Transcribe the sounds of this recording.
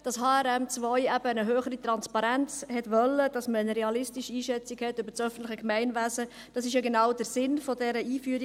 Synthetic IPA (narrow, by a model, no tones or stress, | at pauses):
d̥ɑsɦɑːɛɾɛmt͡svɔʏæb̥ənəɦøːχəɾit̪ʁɑnspɑɾænt͡shɛtʋœlːəd̥ɑsməənəɾɛɑlɪstiʃiːʃɛt͡siɡhɛtːʏbəɾsœfən̩tlɪχəkmæɪnvæsə | d̥ɑsɪʃjɑɡenɑʊdəɾsɪnfɔdɛɾəʔiːfyːɾi